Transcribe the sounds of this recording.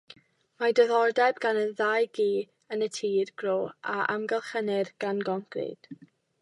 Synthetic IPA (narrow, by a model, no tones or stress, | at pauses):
madəðɔrdɛbɡanənðajɡiː | ənətʰiːrɡ̥roːʔaʔa̰mɡɛlˠχənɪrɡ̥anɡɔŋkrɪ̰d̥